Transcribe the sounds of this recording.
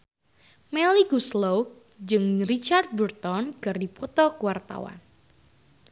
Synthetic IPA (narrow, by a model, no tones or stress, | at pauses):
mɛliɡuslowk̚ | d͡ʒɨŋrit͡ʃart̪̚bərt̪ɔnkɨrdipɔt̪ɔkuwart̪a̰wa̰n